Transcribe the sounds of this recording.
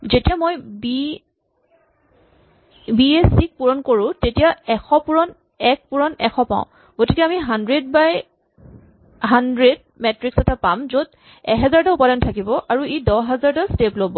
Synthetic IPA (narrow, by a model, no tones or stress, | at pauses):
zetijamojbi | biesik̚puɹɔnkoɹʊ̃tetijaɛxɔpuɹɔn | ɛk̚puɹɔnɛxɔpa̰ʊ̃ | ɡ̥otikɛamiɦandɹed̚baj | ɦandɹed | mɛtɹiksɛtapamzod | ɛ̰ɦɛzaɹtaupadantʰakibɔʔaɹuidɔɦɛzaɹtasteplobɔ